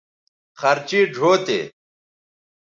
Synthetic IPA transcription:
xɐɾt͡ɕiːɖʱoːt̪ḛː

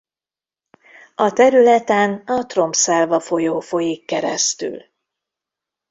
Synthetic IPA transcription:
ɒt̪ɛɾylɛt̪ɛnɒt̪ro̞mpsaːlvɒfo̞joːfo̞jikːɛɾɛ̰st̪y̰l

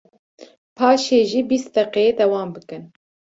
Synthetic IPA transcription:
pʰɑːʃeːʒiːbist̪̚d̪ɛqed̪ɛwɑːmbɨkɨn

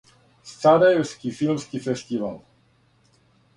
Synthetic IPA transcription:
st̪ad̪askifilmskifɛst̪ivalˠ

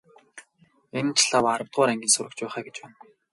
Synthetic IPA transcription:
en̆t͡ɕʰɮawaɾə̆wt̪̚ʁʊːɾæŋɡʲiːnsʊɾə̆kt͡ɕpæːχæːɡet͡ɕpæːn

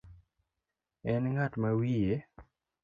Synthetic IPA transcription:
ɛnŋatmawije

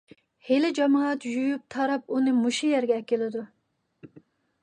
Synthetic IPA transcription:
helɪd͡ʒɑmɑːt̪jyjyp̚t̪ʰɑɾɑp̚unɨmuʃujɛɾɡʲɛːkʲːɪlɪd̪u

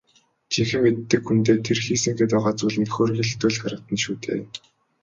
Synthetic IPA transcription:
t͡ɕʰiŋxɘ̆mːet̪ːɘ̆kxunt̪eːt̪ʰerxiːsɘ̆ŋɡeːt̪ɔʁaːt͡suːɮnikxoːrɣĭɮt̪ŭːɮχaɾə̆t̪ə̆nʃuːt̪ḛːn

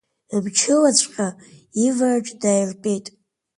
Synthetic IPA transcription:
bt͡ʃʰɨlat͡sʷʰʼqʲaivart͡ʃʷʼdajrpʼejtʼ

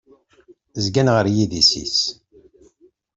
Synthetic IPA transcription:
zɡænʁəɾjiðisḭs

